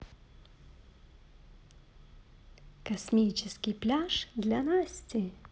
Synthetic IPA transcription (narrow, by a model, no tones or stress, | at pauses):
kɐsʲmʲit͡ɕɪskʲɪjplʲaʂd̪lʲanasʲtʲɪ